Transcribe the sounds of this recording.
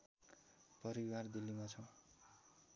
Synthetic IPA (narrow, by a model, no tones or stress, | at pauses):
pʌɾiward̪ilːimat͡sʰʌw̃